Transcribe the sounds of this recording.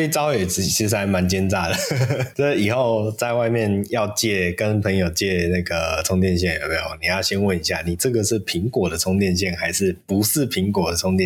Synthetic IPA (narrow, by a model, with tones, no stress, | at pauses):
si˥˩t͡sɑ˥ʊxe˥˩jɛ˨˩˨t͡ɕʰi˧˥ʂ̩˧xa˧˥ɪma˧˦nt͡ɕjɛ˥nt͡sa˥˩d̪ə˩ʈ͡ʂə˥˩˨i˨˩xo˥˧ʊt͡sa˥˧ɪwa˥˧ɪmjɛ˥˨njɑ˥˧ʊt͡ɕjɛ˥˩kə˦npʰə˧˥ŋjo˨ʊt͡ɕɛ˥˧na˥˩ɡə˩t͡sʰʊ˥ŋt̪jɛ˥˧nɕ̬jɛ˥˩njpe˥˩o˨˩ni˨˩jɑ˥˩ʊɕjɛ˥nwə˥˩ni˧˥ɕja˥˩ni˨˩t͡sɤ˥˨ɡə˨ʂɻ̩˥˩pʰi˨˦ŋkwɔ˨˩d̪ə˩˦t͡sʰʊ˥ŋt̪jɛ˥˧nɕ̬jɛ˥˩nxa˧˥ɪʂɻ̩˥˩pu˧˦ʂɻ̩˥˩pʰi˨˧˥ŋkwɔ˨˩d̪ə˩t͡sʰʊ˥ŋt̪j